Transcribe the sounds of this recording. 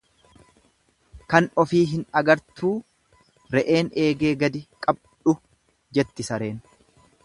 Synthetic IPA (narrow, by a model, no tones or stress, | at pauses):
kɐnɔfiːɦɪnɐɡɐɾt̪ʰuː | ɾɛʔe̞ːne̞ːɡe̞ːɡɐd̪ɪkʼɐb | ᶑʊ | d͡ʒɛt̪ːɪsɐɾe̞ːn